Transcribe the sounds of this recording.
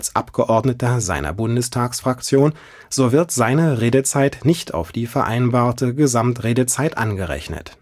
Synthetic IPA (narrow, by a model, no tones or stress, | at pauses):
ʔalsʔa̰pɡ̥əʔɔɐdnətɐza̰ɪnʔɐ̰bʊndəstʰaːksfʁ̥akt͡sjoːn | z̥oːvɪɐtz̥aɪnəʁeːdət͡saɪtnɪçtʰa̰ʊfd̥iːfɛɐʔa̰ɪnbaːɐtəɡəzamtʁeːdət͡saɪtʔanɡəʁɛ̰çnə̰t